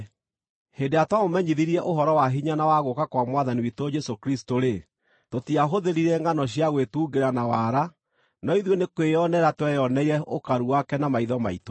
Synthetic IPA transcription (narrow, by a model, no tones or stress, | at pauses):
hedeatwamomɛɲiðiɾiɛʔoɦɔɾɔwaɦiɲanawaɣokakwamwaðaniwitod͡ʒɛsokɾistoɾe | totiaɦoðeɾiɾɛŋɡanɔɕjaɣwetuɡeɾanawaɾa | nɔiðwonekweɔnɛɾatwɛjɔnɛiɾɛokaɾuwakɛnamaiðɔmaito